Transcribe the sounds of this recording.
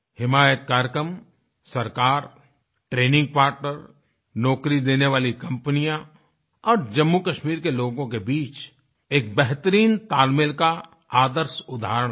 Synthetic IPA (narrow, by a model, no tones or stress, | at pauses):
hɪmaːjət̪kaːɾjəkɾəm | sɐɾkaːɾ | ʈɾeːnɪ̃ŋɡ̚paːɾʈnəɾ | nɔːkɾid̪eːneʋaːlikɐ̃mpnijã | ɔːɾd͡ʒɐmːukɐʃmiːɾkeloːɡõkebiːt͡ʃ | eːk̚bɛɦt̪əɾiːnt̪aːlmɪlka | aːd̪əɾsʊd̪ʱa̰ːɾə